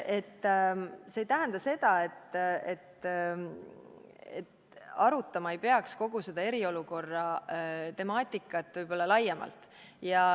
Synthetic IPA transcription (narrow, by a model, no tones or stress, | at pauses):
e̞t̪ː | seːjt̪æɦend̪̥ɑse̞d̪̥ɑe̞t̪ːet̪ː | et̪ | ɑɾut̪ːˑɑmɑe̞jpe̞ɑksko̞ɡ̥use̞d̪ɑe̞ɾio̞luko̞rːɑt̪e̞mɑːt̪ʲːˑikːˑɑt̪ːvɯjb̥o̞lːɑlɑjemɑ̰lt̪ˑ | jɑ